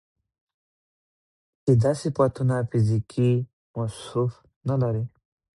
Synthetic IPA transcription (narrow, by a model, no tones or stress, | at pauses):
t͡ʃid̪aːsipat̪ʰunafizikʰi | masuf | nalaɾi